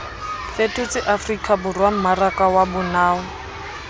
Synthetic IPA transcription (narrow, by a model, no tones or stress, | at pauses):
fetʰʊt͡sɪʔafrikʼabʊrwam̩marakawabʊnaːɔ